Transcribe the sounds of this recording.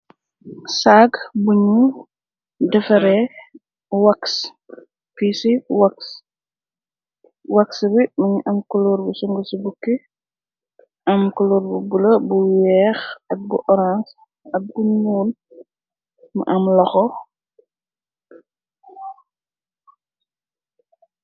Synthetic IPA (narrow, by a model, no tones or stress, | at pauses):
saɡbuɲu | dɛfɐɾɛ | waks | pisiwaks | waksbimɐɲuʔɐmkɔluːɾbusuŋɡəsibukːi | ʔɐmkɔluːɾbubulɐbuwɛxɐk̚buʔɔɾãns | ɐk̚buɲuːl | ma̰ʔɐmlɐxɔ